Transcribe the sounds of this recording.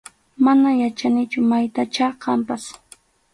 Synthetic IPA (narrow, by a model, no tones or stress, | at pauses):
manajat͡ʃanɪt͡ʃʊmajt̪at͡ʃɑqɑmpas